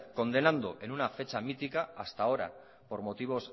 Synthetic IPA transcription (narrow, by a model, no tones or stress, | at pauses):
ko̞nd̪e̞nand̪oe̞nunafe̞t͡ʃamit̪ikaːst̪ao̞ɾa̰ | po̞ɾmo̞t̪iβ̞o̞s